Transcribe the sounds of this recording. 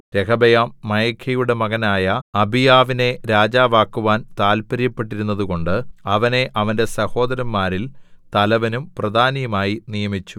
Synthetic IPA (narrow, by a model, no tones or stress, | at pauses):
ɾe̞kʰɐbɐjaːmːɐjɐkʰɐjuɽe̞mɐɣɐnaːjɐɐbʱijaːʋine̞ɾaːd͡ʑaːʋaːkːuʋaːnt̪aːlpɐɾjɐpːe̞ʈ̬ːiɾun̪ːɐðuɣo̞ɳɖɨɐʋɐne̞ʔɐʋɐnde̞sɐho̞ːd̪ɐɾɐmːaːɾilt̪ɐlɐʋɐnumprɐd̪ʱaːnijɐmaːjinijɐmit͡ɕːu̥